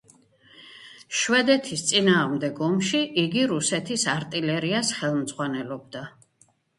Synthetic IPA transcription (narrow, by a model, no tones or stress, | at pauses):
ʃwɛd̪ɛt̪ʰist̪sʼinaːʁmd̪ɛɡɔmʃiʔiɡiɾusɛt̪ʰisaɾt̪ʼilɛɾiasχɛlˠmd̪zʁwanɛlɔb̚d̪a